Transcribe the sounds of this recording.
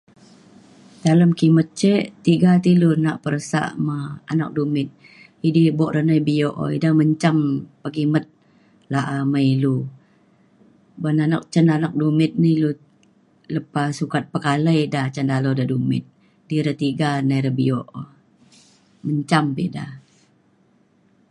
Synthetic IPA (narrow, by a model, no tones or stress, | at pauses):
daləmkimət̪̚t͡ʃəʔt̪iɡat̪ilunaʔpəɾəsa̰ʔməa̰nak̚dumɪt̪̚ | idibɔʔɾənəjbioʔo̰idahməɲt͡ʃampəkimət̪̚ | laʔaməilu | bənanɔk̚t͡ʃənanɔk̚dumɪt̪̚nəlu | ləpasukat̪̚pəkaləjdat͡ʃəndalodadumɪ̰t̪̚ | diɾət̪iɡanəjɾəbioʔo | məɲt͡ʃampida̰